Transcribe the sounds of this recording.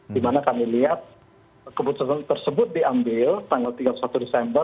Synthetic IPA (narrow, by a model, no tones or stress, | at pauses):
dimanakamiliɦat̪̚ | kəput̪sat̪ant̪ərsəbʊt̪̚diambɪlt̪aŋɡalt̪iɡaplusat̪udesɛmbə